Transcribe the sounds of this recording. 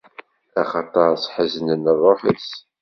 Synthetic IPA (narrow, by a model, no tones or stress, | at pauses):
æχɑt̪ˤɑɾˤsħəzənənərˤːoħəs